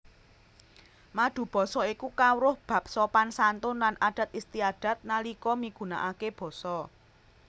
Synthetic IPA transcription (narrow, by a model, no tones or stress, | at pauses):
maɖ̪̥ṳb̥ɔ̤sɔikukawɾʊhb̥ä̤p̚sɔpansant̪ʊnlanʔaɖ̥a̤t̪̚ist̪iaɖ̥ä̤t̪̚nalikɔmiɡ̥ṳna̰ʔakeb̥ɔ̤sɔ